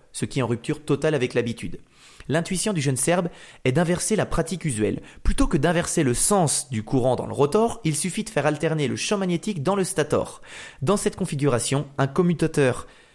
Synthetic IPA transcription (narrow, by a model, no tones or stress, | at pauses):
səkʲiɛɑ̃ʁyp̚t̪yʁt̪ɔt̪alavɛklabit̪yd̪ | lɛ̃t̪ɥisjɔ̃d̪yʒənsɛʁb | ɛd̪ɛ̃vɛʁselapχat̪ikyzɛ̰lplyt̪okəd̪ɛ̃vɛʁseləsɑ̃sd̪ykuʁɑ̃d̪ɑ̰̃lə̰ʁət̪ɔʁilsyfid̪əfɛʁalt̪ɛʁneləʃɑ̃manjet̪ikd̪ɑ̃ləst̪at̪ɔ̰ːʁd̪ɑ̃sɛt̪kɔ̃fiɡʲyʁasjɔ̃ɛ̃kɔmyt̪at̪œʁ